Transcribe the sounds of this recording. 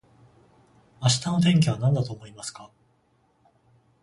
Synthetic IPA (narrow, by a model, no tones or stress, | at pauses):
aɕi̥t̪anot̪̬ẽ̞ŋk̬ʲiβanãnd̪at̪oːmo̞imasɨ̥ka